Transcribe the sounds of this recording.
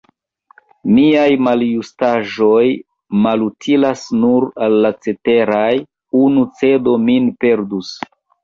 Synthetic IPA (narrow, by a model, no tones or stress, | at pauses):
miajmaljustaʒo̞j | malutʰilasnuɾalːat͡se̞te̞ɾaj | unut͡se̞do̞minpe̞ɾdus